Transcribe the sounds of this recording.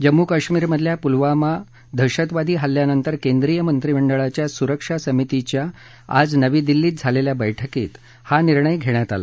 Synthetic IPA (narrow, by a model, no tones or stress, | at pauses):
d͡ʑəmːukaɕmiːɾməd̪ʱljapulʋama | d̪ʱəɕət̪ʋad̪ʱiːɦalːjanənt̪əɾkend̪ɾijəmənt̪ɾiməɳɖəɭat͡ɕjasuɾəkʂasəmit̪it͡ɕja | a̰d͡znəʋiːd̪ilːiːt̪̚d͡zʱaleljabəjʈʰəkḭːt̪ | haniɾɳəjɡʱeɽjat̪a̰la̰